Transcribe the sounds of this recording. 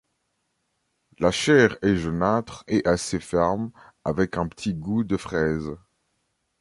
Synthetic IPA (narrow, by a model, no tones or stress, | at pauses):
laʃɛʁɛʒənat̪χɛʔasefɛʁm | avɛkɛ̃pə̥t̪ʰiɡud̪əfχɛz